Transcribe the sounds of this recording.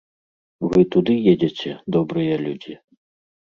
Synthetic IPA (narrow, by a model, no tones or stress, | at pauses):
vɨt̪ud̪ɨjed͡zʲet͡sʲɛd̪ɔbɾɨjɛlʲud͡zʲi